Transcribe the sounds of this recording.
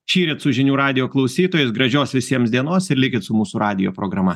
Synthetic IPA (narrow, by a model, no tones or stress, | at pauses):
ʃʲiːɾʲɪt̪sʊʒʲɪnʲuːɾɑːd̪ʲɪjoːklˠɐʊsʲiːt̪oːjʊsɡɾɐʒʲoːsʋʲɪsʲiɛmsd̪ʲiɛnoːsɪɾlʲɪkʲɪt̪sʊmuːsʊɾɑːd̪ʲɪjo̰ːpɾoːɡɾɐmɐ